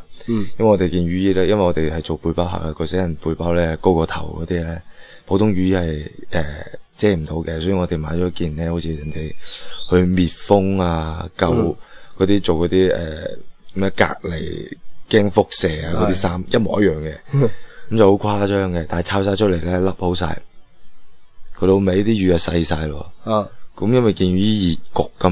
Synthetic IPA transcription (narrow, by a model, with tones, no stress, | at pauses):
jɐ˥nwɐ˨jŋɔː˨˧e˨jkiː˧nɥyː˨˥jiː˧˩lɛː˥jɐ˥nwɐ˨˩ŋɔ˨˧t̪e˨jhɐ˨jt͡so˨wpuː˧jpaː˥wɦa̰ː˨˩laː˧kɔ˧se˨˥jɐ˨˩npuː˧jpaː˥wlɛː˥ko˥wkɔː˧t̪ʰɐ̰˨˩wkɔː˨˦t̪iː˥˧lɛː˥ | pʰo˨˥wt̪ʰʊ˥ŋɥyː˨˧jiː˧hɐ˨˩jʔɛ˨˩t͡sɛː˨˥m̩˨˩t̪o˨˧wkɛ˧sɔ˨˥jyː˨˩ŋɔː˨˧t̪e˨˩jmaː˨˥jt͡ʃɔː˨˥kiː˨nlɛː˥ho˨˥t͡sʰiː˧jɐ˨˩nt̪e˨jhɵ˧miː˨t̚fʊ˥ŋaː˧kɐ˧wkɔː˨˧t̪iː˥t͡so˨wkɔː˨˧t̪iː˥ʔɛ̰ː˨˩mɛ˧˥ka̰ː˧k̚le˨˩jkɛː˥ŋfʊ˥k̚sɛː˨˩aː˨˧kɔ˨˧t̪iː˥saː˥mjɐ˥t̚mɔː˨˩ʔɐ˥t̚jœː˨˩ŋkɛ̰˧kɐ˨˦mt͡sɐ˨who˨˥wkʷʰaː˥t͡ʃœː˥ŋkɛ˧t̪aː˨jt͡sʰaː˧wsaː˧jt͡ʃʰɵ˥t̚le˨˩jlɛ˦˥lɐ˥p̚ho˨˥wsa̰ː˧j | kʰt̪o˨˧wme˨˥jt̪iː˥jyː˨˧jɐ˨sɐ˧jsaː˧jlɔ̰ː˧kɐ˨˦mjɐ˥nwɐ˨jkiː˧nyː˥jiː˨˩t̚kʊ˨kːɐ˥